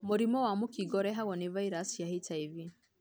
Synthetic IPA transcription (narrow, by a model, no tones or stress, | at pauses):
muɾimɔwamukiɡɔɾɛɦaɣɔnivaiɾasjahitʰaivi